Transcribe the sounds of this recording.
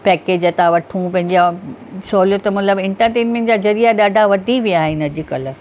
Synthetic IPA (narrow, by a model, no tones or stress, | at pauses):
pɛːkeːd͡ʑɐt̪aʋɐʈʰũpɐ̃ɦɪ̃ɲd͡ʑasoːlijot̪ɐmɐt̪ləbɪ̃ɳʈəɾʈeːnmẽɳʈ̚d͡ʑaːzɐɾijaɗaːɖʱaʋɐd̪ʱiʋijaːɦɪnɐd͡ʑɪ̆kɐlə